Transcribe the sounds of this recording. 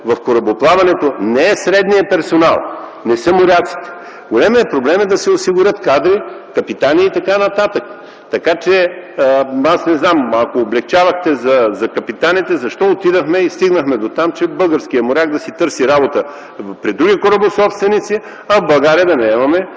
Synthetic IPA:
vɐfkoɾɐboplˠavɐnɛt̪onɛɛsɾɛd̪nijɐpɛɾsona̰lˠ | nɛsɤmoɾʲat̪si̥t̪ɛ̥ | ɡolʲɛmiɛpɾoblɛmɛd̪ɐsɛosiɡʊɾʲɤt̪kad̪ɾi | kɐpit̪aniit̪ɐkanɐt̪at̪ək | t̪ɐkat͡ʃɛ | asnɛznamɐkoːblɛk̚t͡ʃavɐxt̪ɛzɐzɐkɐpit̪anit̪ɛzɐʃt̪ɔot̪id̪əxmɛist̪iɡnəxmɛd̪ot̪amt͡ʃɛbɤlˠɡəɾsk̟ijəmoɾʲak̚d̪ɐsit̪ɤɾsiɾabot̪ə | pɾid̪ɾuɡʲikoɾəbosɔpst̪vɛnit̪si | ɐvbɐlˠɡaɾiəd̪ɐnɛɛmɐmɛ

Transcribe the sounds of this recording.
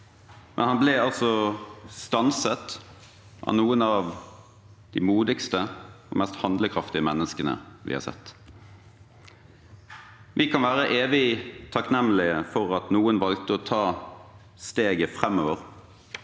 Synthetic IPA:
mʔɛ̰nhɑnblɛːɑlsɔst̪ɑnsət̪ | ʔɑ̰nuːənɑʋ | d̪̥ɪːmuːd̪ɪkst̪əo̰mɛst̪hɑnd̪ləkʰɾɑft̪ɪəmɛnːəskənə̰ʋɪ̰hɑ̰ːsɛ̰t̪ː | ʋɪkʰɑnʋæːʁəʔeːʋɪt̪ʰɑknɛmːlɪəfɔʁɑt̪nuːənʋɑl̚t̪əoːt̪ʰɑː | st̪eːɡəfʁɛmːoːʋəʁ

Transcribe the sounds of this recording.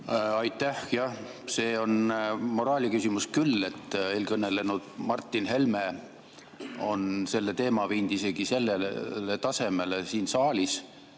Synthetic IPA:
ɑjt̪ˑːæhjɑ | se̞ːonmo̞ɾɑːlʲikysʲimuskylːe̞t̪ːˑeːlkɤnːe̞lenud̪̥mɑrt̪ːinɦe̞lme | o̞nse̞lːe̞t̪e̞ːmɑviːnd̪̥ise̞ɡ̥ise̞lːelet̪ɑse̞me̞lesiːnsɑːlʲis

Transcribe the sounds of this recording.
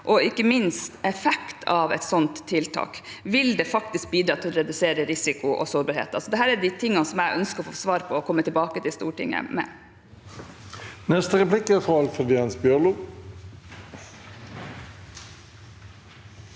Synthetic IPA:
ʔɔɪkːəmɪnst̪ɛfɛkt̪ʰɑʋɛ̰t̪sɔnt̪ʰːɪlt̪ʰɑ̰ːk | ʋɪld̪ɛfɑkt̪ɪsk̚biːd̪ɾɑːt̪ʰɪlɔɾɛd̪ʉseːɾəɾɪsɪkʊʔɔ̰soːɾbɑːɾhḛːt̪ɑlsɔd̪ɛɦæːɾæɖ̪ɪt̪ʰɪŋːɑnsɔmæɪʔœnskəɾɔfoːsʋɑːɾpʰɔɔkʰɔmːət̪ɪlbɑːkət̪ɪlst̪uːʈɪ̰ŋːə̰mɛ̰ | nɛst̪əʁɛplɪkːəfʁɑɑlfəd̪ɪɑnsbjœʁluː

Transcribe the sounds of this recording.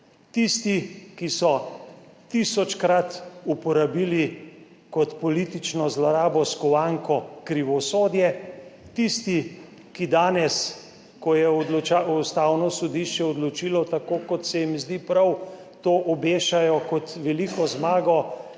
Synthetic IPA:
t̪ist̪ikisɔ | t̪isɔt͡ʃkɾat̪upɔɾabiːli | kɔt̪pɔlit̪it͡ʃnɔzlɔɾaːbɔskɔwaŋkɔkɾiʋɔsoːd̪jɛt̪ist̪i | kid̪aːnɛs | kɔjɛɔd̪lɔt͡ʃaust̪aːwnɔsɔd̪iʃt͡ʃɛɔd̪lɔt͡ʃiːlɔt̪akoːkɔt̪sɛjimizd̪ipɾaw | t̪oːʔɔbeːʃajɔkɔt̪ʋɛlikɔzmaːɡɔ

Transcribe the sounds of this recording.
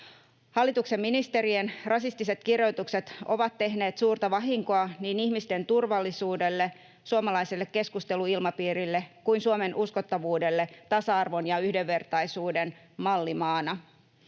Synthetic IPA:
hɑlːit̪ukse̞mːinist̪e̞ɾienrɑsist̪ise̞t̪kirjo̞jt̪ukse̞t̪o̞̰ʋɑt̪ːe̞ɦne̞ːt̪suːrt̪ɑʋɑɦiŋko̞ɑniːnihmist̪e̞nt̪urʋɑlːisuːde̞lːe̞ | suomɑlɑiselːekke̞skust̪e̞luilmɑpiːɾilːekuinsuome̞nʔuskot̪ːɑʋuːde̞lːe̞t̪ɑsɑɑrʋo̞njɑyhdeʋːe̞rt̪ɑjsuːde̞n | mɑlːimɑːnɑ

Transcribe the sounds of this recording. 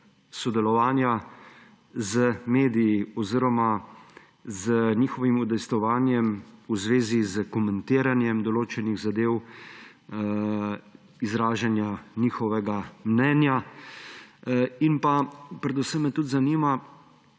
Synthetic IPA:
sɔd̪ɛlɔʋaːnja | zəmeːd̪ijiɔziɾɔma | zənixɔʋimud̪ɛjst̪ɔʋaːnjɛmuzʋeːzizəkɔmɛnt̪iːɾanjɛmd̪ɔloːt͡ʃɛniɣzad̪eːw | izɾaːʒanjaniːxɔʋɛɡamnɛnja | inpapɾɛd̪usəmːɛt̪ut̪zaniːma

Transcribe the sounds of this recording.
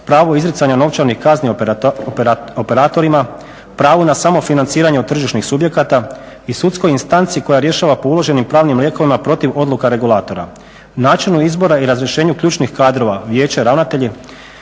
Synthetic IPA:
pɾaːʋoizɾit̪saɲano̞ʋt͡ʃaɾnixkaznipope̞ɾaːt̪o̞ɾima | pɾaːʋunasamo̞finant̪siːɾaɲeot̪̚t̪r̩ʒiʃnixsubje̞kat̪a | isut̪sko̞jinst̪ant̪siiko̞jaɾje̞ʃaːʋapo̞ulo̞ʒe̞nimpɾaːʋnimlʲje̞ko̞ʋimapɾo̞t̪iʋo̞d̪lukaɾe̞ɡulˠaːt̪o̞ɾa̰ | naːt͡ʃinuizbo̞ɾaiɾazɾjeʃe̞ːɲukʎuːt͡ʃnixkaːd̪ɾo̞ʋaʋjeːt͡ɕaɾaʋnat̪e̞ʎi

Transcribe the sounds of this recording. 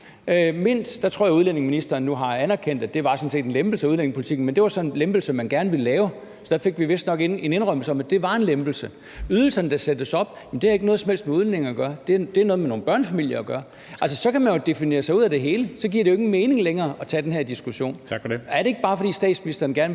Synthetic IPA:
me̝n̰sd̥ɑt͡sʰʁo̰ɐ̰jauð̞ˠlen̰e̝ŋminisd̥ɐːnːuɦɑ̈ænæɐkʰen̰d̥æd̥e̝ʋɑ̈sɒ̽n̩se̝̰ːd̥enlemb̥l̩səæuðlene̝ŋpʰolit͡sʰiɡ̥̚n̩mend̥e̝ʋɑ̈sɒ̽nnlemb̥l̩səmænɡ̥æɐnəʋiləlɛːʊ | sɒ̽d̥æfe̝ɡ̥ʋiʋe̝sd̥nɒ̽ɡ̥ene̝ne̝nʁœm̰l̩səɒ̽mæd̥e̝ʋɑ̈e̝nlemb̥l̩sə | yð̞ˠl̩sɐnəd̥ɑ̈sed̥əsɒ̽b̥jem̩d̥eæɐeɡ̥nɔːð̩ˠsɒmhel̰sd̥meuð̞ˠlene̝ŋɒɡ̥ɶːɐd̥e̝d̥e̝æɐnɔ̽ðˠmeno̝ːn̩b̥ɶɐnəfæmil̰jɐɡ̥ɶːɐ | æls̬əsɒ̽kʰæmænjo̝d̥e̝fine̝̰ːɐsɑ̈ɪuð̰ˠæd̥e̝ɦe̝ːləsɒ̽ɡ̥iɐ̰ɾe̝oeɡn̩meːne̝ŋleŋɐːʔɒ̽t͡sʰɛ̰ːd̥enɦeɐ̰d̥isɡ̥uɕo̝̰ːnʰæɐɾe̝e̝ɡ̥əb̥ɑ̈ːfɒ̽d̥ḭːsd̥ɛ̰ːd̥sminisd̥ɐːnɡæɐn

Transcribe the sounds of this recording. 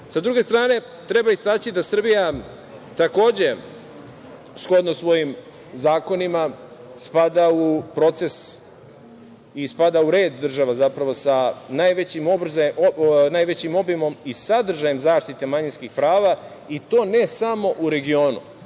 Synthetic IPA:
sad̪ɾuɡe̞st̪ɾaːne̞ | t̪ɾe̞baist̪aːt͡ɕid̪asr̩bija | t̪ako̞ːd͡ʑe̞ | sxo̞d̪nosʋo̞jim | zaːko̞nimaspad̪aupɾo̞t̪se̞s | ispad̪auɾe̞ːd̪ːr̩ʒaʋazapɾaʋo̞sanajʋet͡ɕimobɾzanajʋe̞t͡ɕimo̞bimo̞misad̪r̩ʒajemzaːʃt̪it̪e̞maɲinskixpɾaːʋa | it̪o̞ːne̞samo̞ʔuɾe̞ɡio̞ːnṵ

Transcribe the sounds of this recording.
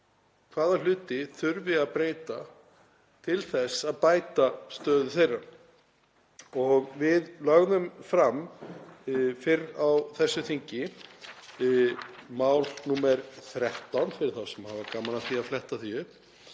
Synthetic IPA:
kʰvaːðalʏːt̪ɪθʏɾvɪaðpɾeːjt̪a | t̪ʰɪlθɛsaðpaːjt̪ast̪œːðʏθejrːaɾ | ɔɣvɪðlœɣðʏmfɾam | fɪɾawθɛsːʏθiɲcɪ | maːwlnuːmɛɾθɾɛht̪awnfɪɾɪɾθawsɛmhaːvakaːmanaθiaflɛht̪aθiʏ

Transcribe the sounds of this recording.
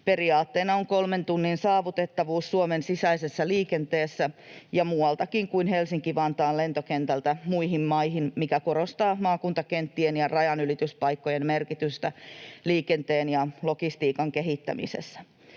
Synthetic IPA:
pe̞riɑːt̪ːeːnɑoŋkolment̪unːinsɑːʋut̪et̪ːɑʋuːsːuomensisæisesːæliːkent̪eːsːæjɑmuːwɑlt̪ɑkiŋkuinɦelsiŋkiʋɑnt̪ɑːle̞nt̪okent̪ælt̪æmuiɦimmɑiɦinmikækoɾost̪ɑːmɑːkunt̪ɑkent̪ːienjɑrɑjɑnylit̪yspɑjkːojemmerkit̪yst̪æliːkent̪eːnjɑlo̞kist̪iːkɑŋkeɦit̪ːæ̰mḭsḛsːæ

